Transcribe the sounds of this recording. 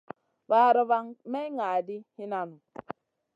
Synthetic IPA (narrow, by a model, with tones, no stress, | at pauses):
ba˨ɾə˦˨βa˦ŋmɛ˦ŋa˨di˦hi˦na˨nu˨